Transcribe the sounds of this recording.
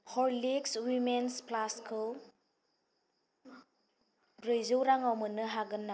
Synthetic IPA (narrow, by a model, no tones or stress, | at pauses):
hɔɾlikswimensplaskʰɯ | ɾɯjzɯwɾaŋawmɯnɯɦaɡɯnːa